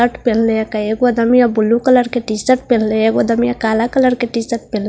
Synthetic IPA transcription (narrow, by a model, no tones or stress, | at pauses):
əʈpelleekaeɡoəd̪əmijabulːukələɾkeʈisəʈ̚pelleeɡoəd̪əmijakalakələɾkeʈisəʈ̚pel